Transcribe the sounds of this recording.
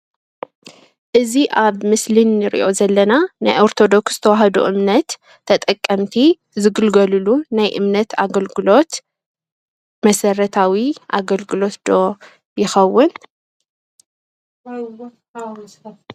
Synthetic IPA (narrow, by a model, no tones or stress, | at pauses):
ʔɨziʔaβmɨslinːɨɾḭʔo̞zɐlːɐnana̰jʔo̞ɾt̪ʰo̞d̪o̞ksz̥ɨ̥t̪ʰɐwaɦɐd̪ṵʔɨmnɐt̪ʰː | ɐt̪ʼɐkʼːɐmt̪ʰi | zɨɡɨlɡɐlulunajʔɨmnɐt̪aɡɐlɡɨlo̞t̪ | mɐsɐɾɐt̪ʰawiʔa̰ɡɐlɡɨlo̞t̪d̪̥o̞ | jɪxɐwːʊn